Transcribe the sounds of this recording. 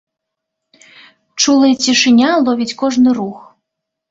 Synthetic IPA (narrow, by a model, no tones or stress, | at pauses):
t͡ʂulˠɐjɐt͡sʲiʂɨnʲalˠɔvʲit͡sʲkɔʐnɨɾux